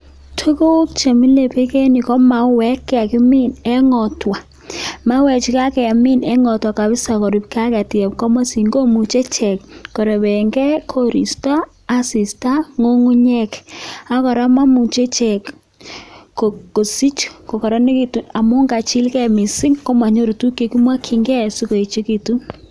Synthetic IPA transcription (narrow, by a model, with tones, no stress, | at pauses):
tʰu˦ko˦kt͡ʃe˨mi˦le˨pe˦ke˦ni˨kɔ˦ma˨˦wɛ˨˦kːɛ˦a˨ki˦mi˦nɛ˦ŋɔ˨twa˨ | ma˦wɛ˨t͡ʃi˨ka˦kɛ˨a˨mi˦nɛ˦ŋɔ˨twa˨ka˨bɪ˦sa˨kɔ˨ɾi˨pka˦kɛ˨ti˨ɛ˨p̚kɔ˦mo˦si˨ŋɡo˦mu˨t͡ʃe˦t͡ʃɛ˨kːɔ˨ɾɛ˨bɛ˨ŋɡɛ˦kʰo˦ɾḭ˨staː˦ | si˨sta˦ŋo˦ŋu˦ɲɛ˦ka˦kɔ˨ɾa˦ma˦mu˨t͡ʃe˦t͡ʃɛ˨kː | o˨ko˨si˦t͡ʃko˨kɔ˨ɾa˦ne˦ki˦tu˨na˨mʊ˦ŋɡa˨t͡ʃi˦lkɛ˦˨mi˨sɪ˦ŋko˦ma˨ɲo˦ɾo˨tu˦kje˨ki˦mwa˦kʰɪ˨ŋɡɛ˦˨si˦ko˨e˨t͡ʃi˦ki˨tu˦n